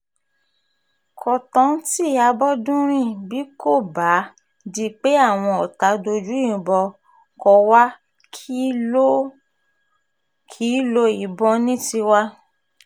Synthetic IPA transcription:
kʰɔ˨tɔ̃˨˦ti˦˨a˨˧˦bɔ˦dũ˦ɾ̃ĩ˦˨bi˨˦ko˦˨ba˨˦ | di˦˧k͡pe˦a˦˨w̃ɔ̃˧ɔ˨ta˨˦do˧d͡ʒũ˨˦˨bɔ˧ | kɔ˧wa˦ | kʰi˦lo˦ | kʰi˨˦lo˧˦i˨bɔ˧nĩ˦ti˧wa˦

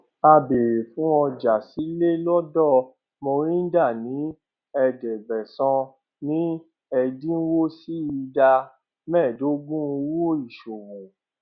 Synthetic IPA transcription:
a˧be˨ɾe˨fũ˦ɔ˧d͡ʒa˨si˨˦le˦lɔ˦dɔ˦˨ | mõ˧ɾĩ˦n̩˦da˦˨nĩ˨˦ | ɛ˧d͡ʒɛ˨ɡ͡bɛ˨sɔ̃˧ | nĩ˦ | ɛ˧dĩ˦wo˦si˦i˧da˧ | mɛ̃˦˨do˨˦ɡ͡bũ˦˧wo˦i˦˨ʃo˨wũ˨

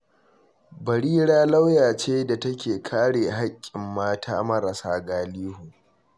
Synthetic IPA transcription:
bɐ˨ɽiː˦ɽaː˦la˦wjaː˨t͡ʃeː˦da˨tɐ˦kʲeː˨kʰaː˦ɽeː˨ɦa˦kʲʼːɪ˨mːaː˦tʰa̰ː˦mɐ˦ɾɐ˨saː˦ɡaː˦liː˦hu˨

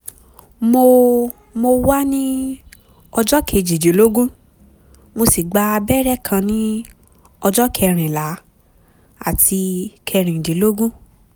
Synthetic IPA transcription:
mo˧ | mo˧wa˦nĩ˦ | ɔ˧d͡ʒɔ˦kʰe˨˧˨d͡ʒi˨d͡ʒi˨˦lo˦ɡũ˦ | mo˧si˨ɡ͡ba˧bɛ˦ɾɛ˦˨kʰã˧nĩ˦ | ɔ˧d͡ʒɔ˦kʰɛ˧ɾ̃ĩ˨la˨˦ | a̰˦˨ti˧kʰɛ˧ɾ̃ĩ˨di˨˦lo˦ɡũ˦

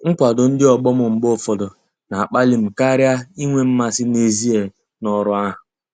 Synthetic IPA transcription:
ŋ̩˦kʷa˨dʊ˨n̩˦dɪ˦ɔ˨ɡ͡bɔ˦mʊ˨m̩˨ɡ͡bo˦fɔ˨dɔ˨ | na˨a˨k͡pa˦li˨m̩˨ka˦ɾja˦i˦ŋʷe˦m̩˦ma˦sɪ˦ne˨zi˦e˨ | nɔ˨ɾʊ˦a˦ɦʊ˨

